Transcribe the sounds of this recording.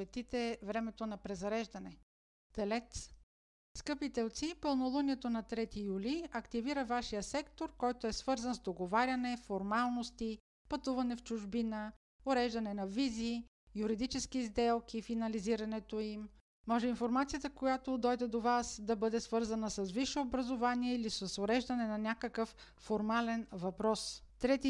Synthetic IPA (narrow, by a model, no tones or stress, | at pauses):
ɛt̪it̪ɛvɾɛmɛt̪onɐpɾɛzɐɾɛʒd̪ɐnɛ | t̪ɛlɛt̪s | skɤpit̪ɛlˠt̪sipɤlˠnolˠuniɛt̪onɐt̪ɾɛt̪ijuliɐkt̪iviɾəvaʃijəsɛkt̪oɾkɔjt̪oɛsvɤɾzənzd̪oɡovaɾʲɐnɛfoɾmalˠnost̪i | pɐt̪uvɐnɛft͡ʃʊʒbinə | oɾɛʒd̪ɐnɛnɐvizi | juɾid̪it͡ʃɛsk̟izd̪ɛlˠk̟ifinɐliziɾɐnɛt̪oim | mɔʒɛinfoɾmat̪sijət̪əkojat̪od̪ɔjd̪ɛd̪ovasd̪ɐbɤd̪ɛsvɤɾzɐnəsɐsviʃɛobɾɐzovaniɛilisəsoɾɛʒd̪ɐnɛnɐnʲakəkəfː | oɾmalɛnvɐpɾɔst̪ɾɛt̪i